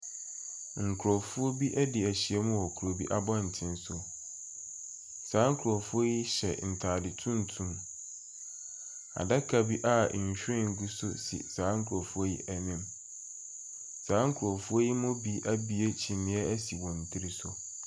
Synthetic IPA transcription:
ŋ̩˨kʰɾɔ˨fʊ˦o˦bi˦ʔɛ˦dɪ˨æ˨ɕi˨ɛ˦mʊ̃˦wɔ˨kʰu˨ɾo˨bḭ˦ʔa˦bɔ˦n̩˨tʰɪ̃˦nsʊ˦ | saː˨˦ŋ̩˦kʰu˨ɾɔ˨fʊ˦o˦ji˦ɕɛ̰˨n̩˨tʰaː˨dɪ˨tʰũ˦n̩˨tʰũ˦m | a̰˨da˦kʰa˨bi˦ʔa˦˨ɕᶣɪ̃˦ŋ˨ɡu˦sʊ̰˦sḭ˨saː˨˦ŋ̩˦kʰu˨ɾɔ˨fu˦o˦jḭ˦ʔɛ˨nĩ˦m | saː˨˦ŋ̩˦kʰʊ˨ɾɔ˨fʊ˦o˦ji˦mʊ̃˦bi˦ʔa˦bi˦e˦t͡ɕʰĩ˨nɪ̃˨˦ɛ˦æ˦si˨wɔ̃˨n̩˨tʰi˦ɾi˦sʊ˦

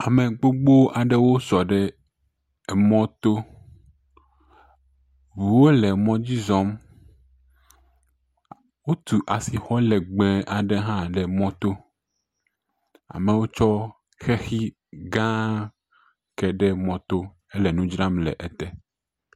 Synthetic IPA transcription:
a˨mẽ˨ɡ͡bo˦ɡ͡bo˦ʔa˨ɖɛ˦wo˦sɔ˨ɖɛ˦˨ | mɔ̃˦t̪o˦ | vu˨wo˦lɛ˨mɔ̃˦d͡ʑi˦zɔ˦m | wo˦t̪u˨ʔa˨si˨xɔ˦lɛ˨ɡ͡bɛ̃˨ʔa˨ɖe˦ɦã˦ɖɛ˨mɔ̃˦t̪o˦ | a̰˨me˨wo˦t͡ʃɔ˦ | xɛ˦xi˦ | ɡã˦ | kɛ˨ɖɛ˦mɔ̃˨t̪o˦ | ɛ˦lɛ˨nũ˦d͡ʒɾa˦mlɛ̰˨ʔɛ˨t̪ɛ˦

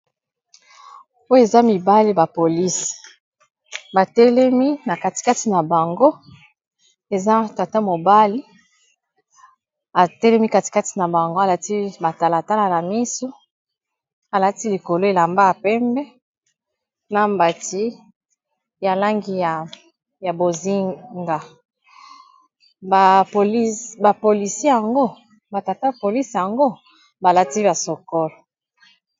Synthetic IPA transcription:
o˦je˨za˦mi˨ba˦li˦ba˨po˨li˦s | ba˨tɛ˦lɛ˦mi˦na˨ka˦ti̥˨ka˦ti˨na˨ba˨ŋɡo˦ | e˨za˦ta˨ta˦mo˨ba˦li˦ | a˨tɛ˦lɛ˦mi˦ka˦ti̥˨ka˦ti̥˨na˨ba˨ŋɡo˦a˨la˦ti˦ba˨ta˨la˨ta˦la˨na˨mi˦so˦ | a˨la˦ti˦li˨ko˨lo˦e˨la˨mba˦ja˨pɛ˦mbɛ˦ | na˦mba˨ti˦ | ja˨la˦ŋɡi˨ja˨ | ja˨bo˨zi˦ŋɡa˨ | ba˨o˨lba˨po˨li˨se˦ja˨ŋɡo˦ | ba˨ta˨ta˦po˨li˦sja˨ŋɡo˦ | ba˨la˦ti˦ba˨so˨kɔ˦lɔ˨

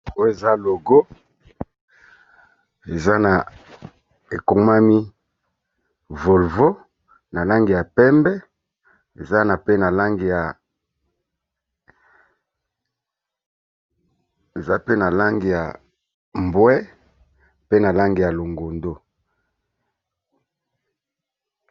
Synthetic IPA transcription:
o˦e˨za˦lo˨ɡo˦ | e˨za˦na˨ | e˨ko˦ma˦mi˦ | vo˨lvo˦ | na˨la˦ŋɡi˨ja˨pɛ˦mbɛ˦ | ḛ˨za˦na˨pe˦na˨la˦ŋɡi˨ja˨ | e˨za˦pe˦na˨la˦ŋɡi˨ja̰˨ | mbwɛ˦ | pe˦na˨la˦ŋɡi˨ja˨lo˨ŋɡo˨ndo˦

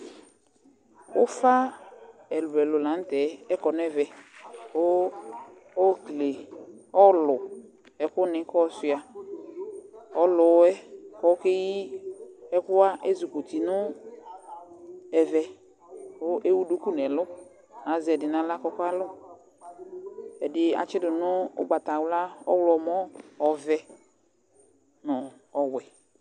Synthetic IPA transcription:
ʊ˦fa˦ | ɛ˨lʊ˨ɛ˨lʊ˨lã˨˦n̩˦tɛ˨˦ɛ˦kɔ˨nʊ˦ɛ˦vɛ˨o˦ | ɔ˦kle˨ɔ˦lʊ˨ | ɛ˨kʊ˦nɪ̃˦kɔ˦sɪ˨a˨ | ɔ˦lʊ˨˦ɛ˦kɔ˦ke˦ji˦ | ɛ˦kʊ˦a˦ʔe˦zu˨ko˨t̪i˨nʊ˦ | ɛ˨vɛ˨ | ʊ˦ʔe˦wu˦du˦ku˦nɛ˨lʊ˦ | a˨zɛ˨dɪ˨nã˨la˦kɔ˦kʊ˦a˦lɔ˦ | ɛ˨dɪ˨a̰˨t͡ʃɪ˦dʊ˨nʊ˦ʊ̰˦ɡ͡ba˨t̪a˨wla˦ɔ˦wlɔ˨mɔ˦ɔ˨vɛ˨ | nɔ˨ | ɔ˨wɛ˨

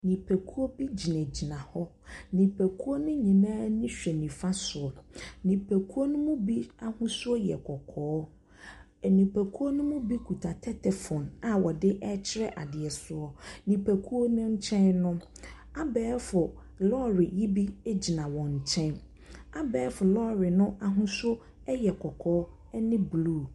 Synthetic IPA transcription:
nĩ˨pʰɛ˨kʰu˦o˦bi˦d͡ʑi˨næ̃˨d͡ʑi˨nã˨hɔ˦ | nĩ˨pʰɛ˨kʰu˦o˦nʊ̃˦ɲĩ˨nãː˦nĩ˦ɕᶣɛ˨nĩ˨fa˦sʊ˨ɔ˨nĩ˨pʰe˨kʰu˦o˦nʊ̃˦mũ˦bi˦a˦hʊ̃˦sʊ˦ɔ˦jɛ̰˨kʰɔ˨kʰɔː˨˦˨ | nĩ˨pʰɛ˨kʰu˦o˦nʊ̃˦mʊ̃˦bi˦kʰu˨tʰa˨tʰɛ˦tʰɛ˨fɔ̃˨na˨wɔ˨dɪ˦ʔɛ˦t͡ɕʰɪ˦ɾɛ˦ʔa˨dɪ˨ɛ˨sʊ˦ɔ˦nĩ˨pʰæ˨kʰu˦o˦nʊ̃˦ɲ̩˦t͡ɕʰɛ̃˦nnʊ̃˦ | a˦bɛː˨˦fʊ˨ | lɔ˦ɾɪ˨ji˦bi˦e˦d͡ʑi˨nã˨wɔ̃˨ɲ̩˨t͡ɕʰɛ̃˦n | a˦bɛː˨˦fʊ˨lɔ˦ɾɪ˨nʊ̃˦a˨ɦʊ̃˦sʊ˦o˦ | ɛ˦jɛ˨kʰɔ˨kʰɔː˨˦ | ɛ˦nɪ̃˦bluː˦˨

